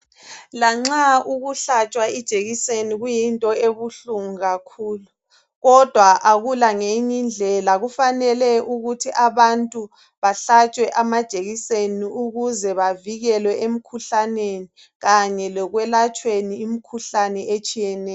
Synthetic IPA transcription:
laŋ͡ǁauɣuɬat͡ʃʼwaid̥ʒ̥ʱeɣiseniɣujintʼɔeβuɬuŋuɣakʰuːlu | ɣɔd̥ʱwaʔaɣulaŋeɲind͡ɮʱɛlaɣufanɛlɛʔuɣutʰiʔaβantʼu | βaɬat͡ʃʼwɛʔamad̥ʒ̥ʱeɣiseniuɣuzɛβaviɣɛlwɛʔem̩kʰuɬaneni | ɣaɲɛlɔɣwɛlat͡ʃʼweniːmikʰuɬanɛet͡ʃʼijɛnɛːj

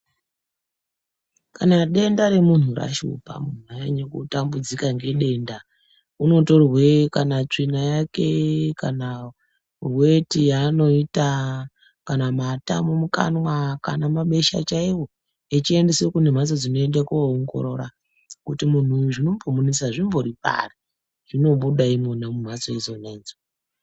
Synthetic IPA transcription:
kanaɗe̞ndaɾe̞mun̤ura̰ʃṵpa̰munuajeɲekutambud͡zikaŋɡe̞ɗe̞nda | uno̞to̞rwekanat͡ʂinajake̞kana | uwetijano̞ita | kanamatamumuka̰nwakanamaɓe̞ʃa̰t͡ʃaiwo̞ | it͡ʃie̞nde̞sekune̞m̤aso̞d͡zino̞e̞ndakuaoŋɡo̞̰ɾo̞̰ɾa̰ | kutimun̤uʐino̞mpomunisaʐimvo̞ɾipa̰ri | ʐ̥ino̞ɓuɗaimonemum̤aso̞izo̞ne̞ːnd͡zo

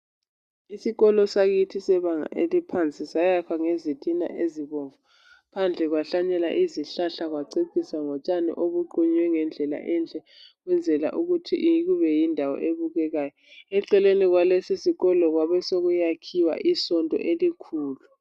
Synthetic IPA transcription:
isiɣɔlɔsaɣitʰisɛβaŋa̰ʔelipʰant͡sʼisajakʰaŋezitʰʼina̰ʔeziβoɱvu | pʰand͡ɮʱɛɣwaɬaɲɛla̰ʔiziɬaɬaɣwaǀeǀisaŋɔt͡ʃʼanḭʔoɣuǃuɲwɛŋɛnd͡ɮʱɛla̰ʔɛnt͡ɬʼɛ | ɣwɛnd͡zʱɛla̰ʔuɣutʰḭʔjɣuβɛjindʱawɔ̰ʔeβuɣɛɣaːjɔ | ɛǃɛleniɣwalɛsisiɣɔlɔɣwaβɛsoɣujakʰiwa̰ʔisɔndʼɔ̰ʔelikʰuːlu

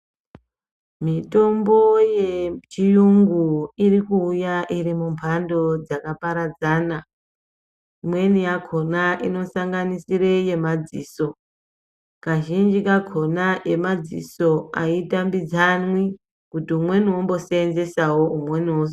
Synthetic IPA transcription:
mito̞mbo̞jet͡ʃijuŋɡuirikuːjaʔirimumpʰando̞d͡zakapaɾad͡zaːna | imwe̞nijakʰo̞naʔino̞saŋɡanisire̞je̞mad͡zḭːso̞ | kaʒind͡ʒikakʰo̞naʔe̞mad͡zḭso̞a̰itambid͡zanwi | kutiumwe̞niwombo̞seːnze̞sawoumwe̞niwos

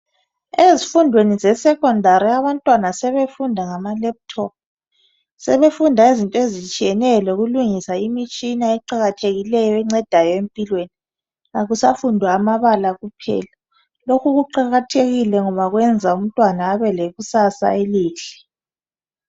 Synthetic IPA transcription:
ezifundʱwenizɛsɛkʰʼɔndʱaɾiaβantʼwanasɛβefundʱaŋamalɛp̚tʰɔp̚ | sɛβefundʱaezintʼezit͡ʃʼijɛnɛlɔɣuluŋisaimit͡ʃʼinaɛǃaɣatʰeɣilɛjɔɛŋ͡ǀɛd̥ʱajɔempʼilweni | aɣusafundʱwaːmaβalaɣupʰɛ̰ːla | lokʰuɣuǃaɣatʰeɣilɛŋɔβaɣwɛnd͡zʱaum̩tʼwanaːβɛleɣusasa̰eliːɬi̥

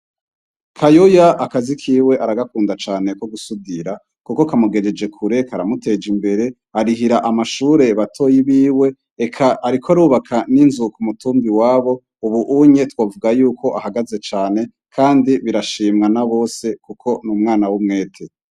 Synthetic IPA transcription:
kʰajojaʔakazikʰiːwe̞ʔaɾaɡakuːndat͡ʃaːne̞ko̞ɡusudiɾa | kuko̞kamuɡe̞d͡ʒe̞d͡ʒe̞kʰuɾe̞kaɾamute̞d͡ʒimbe̞ɾe̞ | aɾiɦiɾaʔamaʃuːɾe̞βatʰo̞ːjiβiːwe̞ː | kʰaʔːɾikʰoaɾuːβakʰaninzukumutuːmbiwaːβo̞ | uβuʔuɲe̞twoːvuɡajuːko̞ʔahaɡaze̞t͡ʃaːne̞ | kʰaːndiβiɾaʃiːmŋanaβo̞ːse̞kukʰo̞nuːmŋaːnawumŋe̞ːtʰe

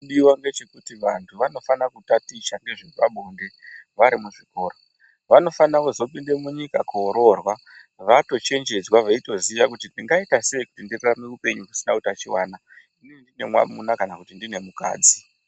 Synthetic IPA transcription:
ɗiwaŋɡe̞t͡ʃe̞kutiʋantʰuʋano̞fanakutatit͡ʃaŋɡe̞ʐiʋaɓonde̞ʋaɾimuʐiko̞ːɾo | ʋano̞fanakuzo̞pinde̞muɲikakuoɾo̞rwa | ʋato̞t͡ʃe̞nd͡ʒe̞d͡zwaʋaito̞ziʋakutindiŋɡaitase̞ikutindireranekupe̞ɲukusinakutat͡ʃiwa̰ːna | inindine̞̰mwa̰munakanakutindine̞muka̰ːd͡zi

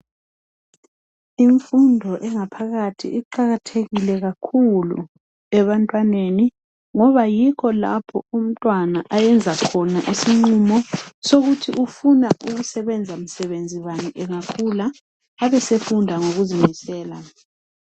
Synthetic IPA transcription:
iɱfundʱɔʔɛŋapʰaɣatʰḭʔiǃaɣatʰeɣilɛɣakʰulṵ | ɛβantʼwaneni | ŋɔβajikʰɔla̰pʰɔum̩tʼwanaʔajɛnd͡zʱakʰɔnaʔisiŋ͡ǀumɔsoɣutʰiʔufunaʔuɣusɛβɛnd͡zʱam̩sɛβend͡zʱiwaniʔɛŋakʰulaː | βɛsefundʱaŋoɣuzimisɛːla

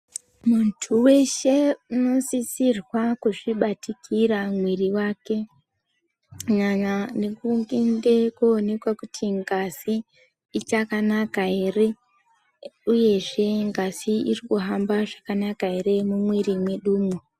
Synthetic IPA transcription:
muntʰuwe̞ʃe̞uno̞sisirwakuʐiɓatikʰiɾamwiriwake̞ | ɲaɲanekuŋɡinde̞koːne̞kwakutʰiŋɡaziː | t͡ʃakanakae̞re̞ | uje̞ʐe̞ŋɡaziirikuɦambaʐakanakaɦe̞ɾe̞mumwirimwe̞ɗuːmo

